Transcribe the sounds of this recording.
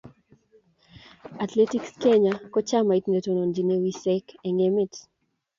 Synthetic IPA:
at̪le˦ti˦kske˦ɲa˦kɔ˦t͡ʃa˦ma˨i˨tne˨to˨no˨nd͡ʒi˨ne˦wi˦sɛkɛ˨ŋɛ˦mi˦t

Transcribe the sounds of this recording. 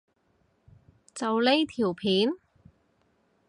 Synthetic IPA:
t͡sɐ˨wle˥jt̪ʰiː˨˩wpʰiː˨˥n

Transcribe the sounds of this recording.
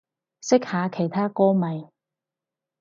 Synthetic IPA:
sɪ˥k̚haː˨˧kʰe˨˩jt̪ʰaː˥kɔː˥mɐ˨j

